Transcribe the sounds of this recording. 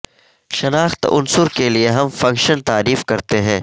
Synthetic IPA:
ʃɐnaːxt̪ʊ̰nsʊɾkelieɦɐmfɐ̃ŋkʃənt̪aːɾiːfkɐɾt̪eɦɛ̃ː

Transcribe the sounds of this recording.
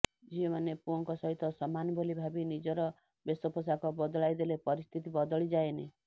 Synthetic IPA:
d͡ʒiomanepuɔŋkɔsɔɦit̪ɔsɔmanɔbolibʱabinid͡ʒɔɾɔ | besɔpɔs̬akɔbɔd̪ɔɭajd̪elepɔɾist̪ʰit̪ibɔd̪ɔɭid͡ʒaene

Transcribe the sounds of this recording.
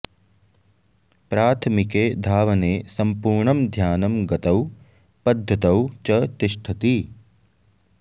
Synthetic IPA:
pɾaːt̪ʰmikeːd̪ʱaːʋɐneːsɐmpuːɾɳɐmd̪ʱjaːnɐmɡɐt̪ɐw | pɐd̪ʱːɐt̪ɐwt͡ʃɐt̪ɪʃʈʰɐt̪i

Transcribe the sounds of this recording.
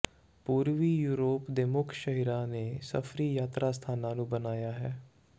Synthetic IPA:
puːɾʋiːjuːɾoːpd̪emʊkʰʃəɦiɾãːneːsə̰fʰɾiːjaːt̪ɾaːst̪ʰaːnãːnũːbənaːjaːɦɛː

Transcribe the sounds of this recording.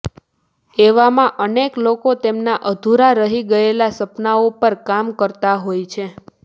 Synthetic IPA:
eʋamãʔəneklokot̪emnaʔəd̪ʱuɾaɾəɦiɡəelasəpnaopəɾkamkəɾt̪aɦojt͡ʃʰe

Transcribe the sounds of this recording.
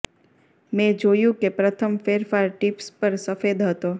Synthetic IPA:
mɛ̃d͡ʒojũkepɾət̪ʰəmfeɾfaɾʈipspəɾsəfed̪ɦət̪o

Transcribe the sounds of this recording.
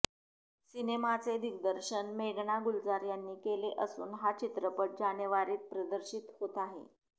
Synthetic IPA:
sinemat͡sed̪ʱiɡd̪əɾɕənmeɡɳaɡuld͡zaɾjanːiːkeleʔəsṵːnɦat͡ɕit̪ɾəpəʈ̚d͡ʑanjəʋaɾiːt̪̚pɾəd̪əɾɕit̪hot̪aɦḛ

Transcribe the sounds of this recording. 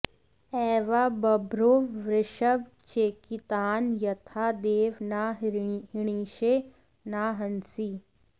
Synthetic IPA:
ɛːʋaːbɐbɾoːʋɾɪʃəʋt͡ʃeːkit̪aːnjɐt̪ʰaːd̪eːʋnaːɦɪɽ̃iːʃe | naːɦɐnsi

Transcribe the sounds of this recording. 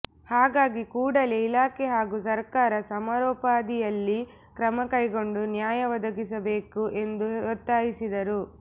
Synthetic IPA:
haːɡaːɡikuːɽɐleilaːkeɦaːɡusɐɾkaːɾɐsɐmaːɾɔːpaːd̪ijɐlːi | kɾɐmɐkɐjɡo̞ɳɖunjaːjɐʋɐd̪ɐɡisɐbe̞ːkuʔe̞nd̪uɔt̪ːaːjisid̪ɐɾu

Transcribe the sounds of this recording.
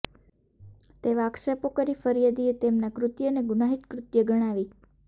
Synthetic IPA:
t̪eʋakʃəpokəɾifəɾijəd̪iet̪emnakɾʊt̪jəneɡʊnaɦit̪kɾʊt̪jəɡəɽ̃aʋi

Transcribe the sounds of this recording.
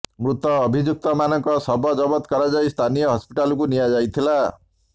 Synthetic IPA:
mɾut̪ːʌːbʱid͡ʒuk̚t̪ʌmanʌŋkʌsʌbʱʌd͡zʌbɔt̪kʌɾad͡zajst̪ʰanijʌɦʌspiʈalkunijad͡ʒajt̪ʰila

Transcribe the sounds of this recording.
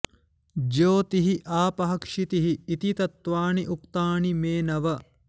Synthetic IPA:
d͡ʒoːt̪iɦiʔaːpɐɦɐkʂit̪iɦiːt̪it̪ɐt̪ʋaːɳiʔukt̪aːɳimeːnɐʋɐ

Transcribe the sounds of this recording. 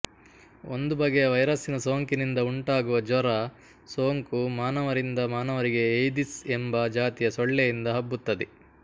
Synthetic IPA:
o̞̰nd̪ubɐɡejɐʋɐjɾɐsinɐso̞ːŋkinind̪ɐuɳʈaːɡuʋɐd͡ʒɔɾɐ | soːŋkumaːnɐʋɐɾind̪ɐmaːnɐʋɐɾiɡe̞ːjd̪isembɐd͡ʒaːt̪ijɐsɔɭːejind̪ɐɦɐbːut̪ːɐd̪e

